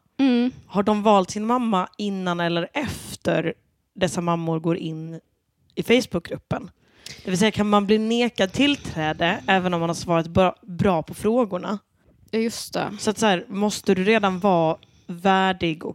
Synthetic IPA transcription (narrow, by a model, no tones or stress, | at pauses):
haɖɔmvɑːlt̪sɪnmamːaɪnːanɛlːəɾɛft̪əɾ | ɖ̪ɛsːamamːʊɾɡoːɾʔɪnː | ɪfɛjsbɵk̚ɡɾɵpːən | d̪̥ɛvɪlsɛjːakʰanmanbliːneːkad̪̚t̪ʰɪlt̪ʰɾɛːd̪əɛːvənɔmhanhaɾʂvɑːɾat̪bbɾɑːpʰɔfɾoːɡʊɳa̰ | jɵst̪ɛ̰sɔat̪shæːɾmɔst̪əd̪ɵɾeːd̪anvɑː | væːɖɪɡɔ̰